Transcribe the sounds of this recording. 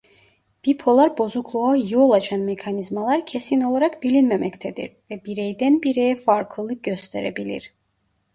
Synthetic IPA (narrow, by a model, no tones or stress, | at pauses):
b̥ipʰo̞lˠaɾbo̞zukʰlˠuajolˠat͡ʃʰanmecʰanizmalˠaɾcʰesino̞lˠaɾakbilʲinmemɛct̪ʰɛd̪ḭɾvɛbiɾejd̪ænbiɾejɛfaɾkʰlˠɯlˠɯk̚ɟø̞st̪ʰeɾebilʲḭɾ̥